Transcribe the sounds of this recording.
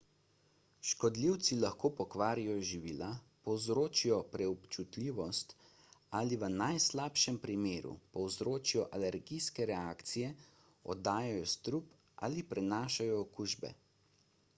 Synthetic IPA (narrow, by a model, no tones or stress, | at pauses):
ʃkɔd̪liwt̪silaxkoːpɔkʋaːɾijɔʒiʋiːla | pɔwzɾoːt͡ʃijɔpɾɛɔpt͡ʃut̪lʲiːʋɔst̪ | aliʋənajslaːpʃɛmpɾimeːɾṵpɔwzɾoːt͡ʃijɔʔalɛɾɡijskɛɾɛaːkt̪sijɛ | ɔ̰d̪aːjajɔst̪ɾup | ʔa̰lipɾɛnaːʃajɔːkuːʒbɛ̰